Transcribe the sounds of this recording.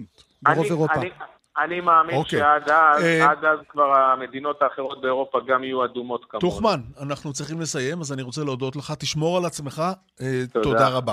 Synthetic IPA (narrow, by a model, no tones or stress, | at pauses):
ʁoveʁoai | animaːmioʃkeeaɡazaɡazkvaʁame̞d̪ino̞t̪aːχeʁo̞t̪̚beoʁo̞paɡamijuadumo̞t̪kamtuχmananaχnut͡sʁiχimle̞saje̞mazaniʁo̞t͡seleodo̞t̪leχat̪iʃmo̞ʁalat͡sme̞χa | etotodaʁaba